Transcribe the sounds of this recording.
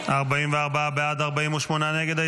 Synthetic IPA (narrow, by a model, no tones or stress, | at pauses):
aʁbaiːmveaʁbaabeaːd̪aʁbaiːmuʃmonaneɡed̪a